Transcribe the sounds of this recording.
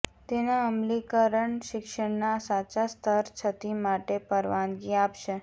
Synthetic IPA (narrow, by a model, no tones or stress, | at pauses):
t̪enaəmlikəɾəɳʃɪkʃəɳnasat͡ʃast̪ʰəɾt͡ʃʰət̪imaʈepəɾʋanɡiapʃe